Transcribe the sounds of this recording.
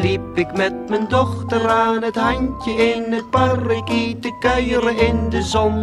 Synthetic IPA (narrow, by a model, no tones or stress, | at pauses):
liːpɪkmɛt̚mɪndɔχtəɾaːnəthajncəɪnət̚baɾɪkiːtəkœʏɾəʔɪndəzɔm